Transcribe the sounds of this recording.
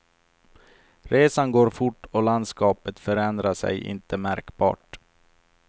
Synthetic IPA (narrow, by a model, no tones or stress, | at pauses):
ɾeːsanɡoːɾfʊʈːɔland̪skɑːpət̪fœɾɛnd̪ɾasɛ̰jʔɪ̰nt̪ʰəmæɾkbɑ̰ːʈ